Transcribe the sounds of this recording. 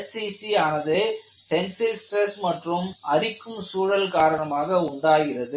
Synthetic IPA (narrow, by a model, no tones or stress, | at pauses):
ɛisiaːnɐðe | sɛnsɪlsʈɾɛsmɐʈrɯmɐɾɪkːɯmsuːɻɐlkaːɾɐɳɐmaːɣɐʊɳɖaːɣɪrɐðɯ